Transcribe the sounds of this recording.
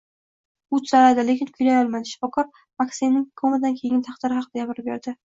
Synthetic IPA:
ʊt͡ʃ̪zalad̪ɪle̞kʲɪnkʰʊjlajɒlˠmanʃɪ̥fɒkʰɒɾ | maksenːɪŋkʰomɪd̪ankʲʰe̞ɡʲɪnt̪ʰɑχd̪ɪɾɪhɑqɨd̪̥aɡʲabɪɾɪp̚beɾd̪ɪ

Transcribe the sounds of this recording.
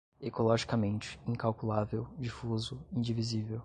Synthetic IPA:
ekolɔʒikamẽnt͡ʃɪ̥ĩkawkulavewd͡ʒifuzʊĩd͡ʒivizivew

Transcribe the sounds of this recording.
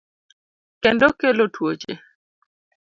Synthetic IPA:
kɛndɔkelotʰwot͡ʃḛ

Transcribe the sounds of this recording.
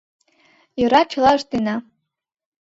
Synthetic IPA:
iɾat͡ʃʰlaʐdina

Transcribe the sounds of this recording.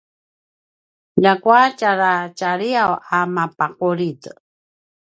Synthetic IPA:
dakwat͡ʃaɾat͡ʃaɾiawamapaquɾit

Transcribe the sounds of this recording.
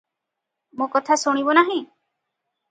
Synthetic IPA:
mõkɔt̪ʰasoɽ̃ibonaɦĩ

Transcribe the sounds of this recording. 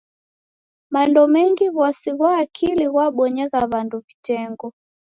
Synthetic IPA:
mandɔmɛŋɡiβɔsiɣwaːkʰiliɣwaɓɔɲɛɣaβanduβitɛŋɡɔ

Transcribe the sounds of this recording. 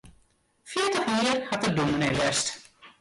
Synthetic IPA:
fiətəχmɪərhatərduməneʋɛst

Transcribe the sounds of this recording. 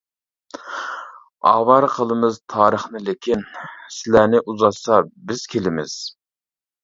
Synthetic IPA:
ɑ̰ːwɑɾqʰəlˠɨmɨzt̪ʰɑːɾəχnɨlekʲʰinsɪlænɪʔuzɑsɑbɪz̥kʲʰelɪmɪ̰z̥

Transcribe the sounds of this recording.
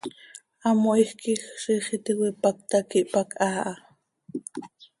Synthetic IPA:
amoʔixkʰixɾiχit̪iwipak̚t̪akiʔpakʰʼaːʔa

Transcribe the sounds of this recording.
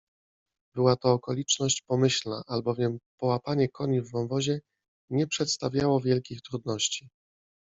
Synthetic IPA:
bɘwat̪ɔːkɔlʲit͡ʂnɔɕt͡ɕpɔmɘɕlna̰ʔalbɔvʲjɛmpɔwapaɲɛkʰɔɲivːɔwvɔʑɛ | ɲɛpʂɛt̪st̪avʲjawɔvʲjɛlkʲixt̪ɾud̪nɔɕt͡ɕi

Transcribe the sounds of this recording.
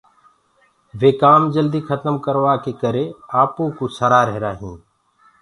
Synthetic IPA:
ʋeːkaːmd͡ʒəld̪iːkʰət̪əmkəɾʋaːkeːkəɾeːaːpõːkoːsəɾaːɾəɦɾaːɦĩː

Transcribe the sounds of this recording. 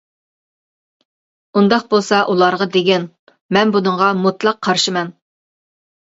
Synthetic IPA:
und̪ɑq̚bolˠsɑʔulˠɑɾʁɑd̪eɡʲɛn | mɛnbunɨɴʁɑmut̪lˠɑqʰːɑɾʃimɛn

